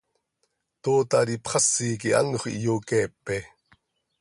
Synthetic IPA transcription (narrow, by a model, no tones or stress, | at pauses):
t̪oːt̪aɾipχɑsːiːkia̰nuχḭʔjoːkepːe